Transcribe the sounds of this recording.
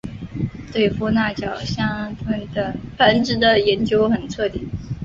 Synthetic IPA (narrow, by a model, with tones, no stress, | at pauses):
t̪we˥˧ɪfu˥˧na˥˩t͡ɕjɑ˨˩ʊɕjɑ˥ŋt̪ʰwə˥nd̪ə˧pə˧˥nʈ͡ʂɻ̩˧˥d̪ə˨jɛ˧˥nt͡ɕjo˥ʊxə˨˩nʈ͡ʂʰɤ˥˩t̪i˥˩ŋ